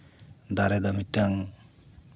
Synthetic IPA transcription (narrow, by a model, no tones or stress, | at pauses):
d̪aɾɛd̪amitːaŋ